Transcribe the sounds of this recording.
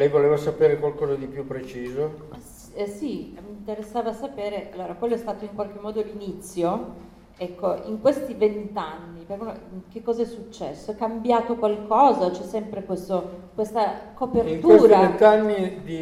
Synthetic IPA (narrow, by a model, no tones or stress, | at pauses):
lɛjvoleːvasapeːɾekwalkɔːzad̪ipjupːɾet͡ʃiːzo | simint̪eɾesːaːvasapeːɾeʔalːoːɾakwelːoɛst̪aːt̪oiŋkwalk̟emːɔːd̪olinit̪sːjo | ɛkːoiŋkwest̪ivent̪anːipekk̟ekːɔːzaɛsːut͡ʃːɛsːoɛkːambjaːt̪okwalkɔːzat͡ʃɛsːɛmpɾekwest̪okwest̪akopertiŋk̪uesːɾaent̪anːid̪i